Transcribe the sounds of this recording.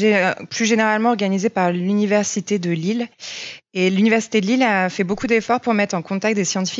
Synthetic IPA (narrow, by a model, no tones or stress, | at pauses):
ɛplyʒeneʁalmɑ̃ɔʁɡanizepaʁlynivɛʁsit̪ed̪əlil | elynivɛʁsi̥t̪ed̪əlilafɛbokud̪efɔʁpuʁmɛt̪χɑ̃kɔ̃t̪ak̚t̪̚d̪esjɑ̃t̪i̥fi